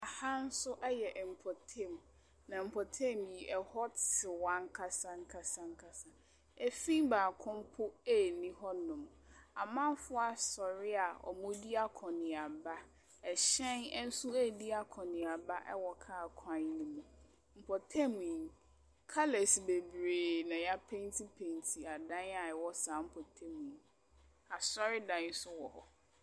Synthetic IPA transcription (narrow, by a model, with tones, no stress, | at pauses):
a˨ha˦n̩˦sʊ˦ʔɛ˦jɛ˨ʔm̩˨pʰɔ˨tʰɛ̃˦˨m | nã˨m̩˨pʰɔ˨tʰɛ̃˦˨mji˨ʔɛ˨hɔ˦ɪ˨wã˦ŋ˦kʰa˦sã˦ŋ̩˦kʰa˦sã˦ŋ̩˦kʰa˨sã˨ | e˦fĩ˦baː˨kʰʊ̃˦m˦pʰʊ˦e˦˨nĩ˦ɦɔ˦nʊ̃˨ma˨mã˦m˦fʊ˦a˨sɔ˨ɾɪ˦a˨ɔ̰˨mʊ̃˦di˦a˦kʰɔ̃˨nɪ̃˨a˨ba˦ | ɛ˨ɕɛ̃˦nɛ˦n̩˦sʊ˦˨di˦a˦kʰɔ̃˨nɪ̃˨a˨ba˦ʔɛ̰˦wɔ˨kʰa˦˨kʰã˦n˦nĩ˦mũ˨ | m̩˨pʰɔ˨tʰɛ˦mĩ˨n | kʰa˦lɛ˨sbe˨bɾeː˨nã˨ja˦pʰẽ˦n˦tʰi˦pʰẽ˨ntʰi˨a˨dã˦na˨ɛ˨wɔ˦saː˨˦m̩˦pʰɔ˨tʰɛ˦mĩ˨n | a˨sɔ˦ɾɪ˦dã˨n˦sʊ˦wɔ˨hɔ̰˨